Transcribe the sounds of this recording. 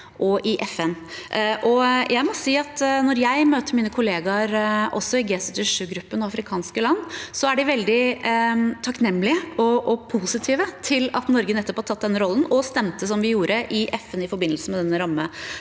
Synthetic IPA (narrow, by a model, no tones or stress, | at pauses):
ʔɔʔɪʔɛfɛn | ʔʔɔjʔæɪmɔsiːɑt̪nɔɾjæɪmøːt̪əɾmiːnəkʰʊleːɡɑɾʔɔ̰sɔɪɡeːsɪt̪əʂʉːɡɾʉpːənɔɑfɾɪkʰɑːnskəlɑnːsɔæɖɪʋɛld̪ɪ | t̪ʰɑknɛmːlɪəɔʔɔpʰuːsɪt̪ʰiːʋət̪ʰɪlɑt̪nɔɾɡənɛt̪ːəphɑt̪ʰːɑt̪d̪ɛnːɾɔln̩ɔst̪ɛmt̪əsɔmʋɪjuːɾəʔɪʔɛfɛnɪfɔɾbɪnəlsəmɛd̪ɛnːəɾɑmːə